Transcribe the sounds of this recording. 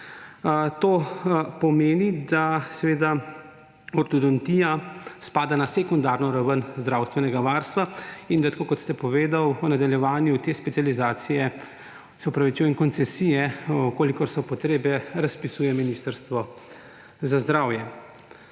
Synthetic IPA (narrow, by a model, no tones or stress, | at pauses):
t̪oːpɔmeːnid̪asɛʋeːd̪a | ɔɾt̪ɔd̪ɔnt̪ijaspaːd̪anasekund̪aːɾnɔɾaʋənzd̪ɾaːwst̪ʋɛnɛɡaʋaːɾst̪ʋaind̪at̪akoːkɔt̪st̪ɛpɔʋeːd̪awnad̪aljɛʋaːnjut̪eːspɛt̪sijalizaːt̪sijɛ | sɛɔpɾaʋit͡ʃuːjɛŋkɔnt̪sɛsijɛkoːlikɔɾsɔpɔt̪ɾeːbɛɾaspisuːjɛminiːst̪əɾst̪ʋɔ | zazd̪ɾaːwjɛ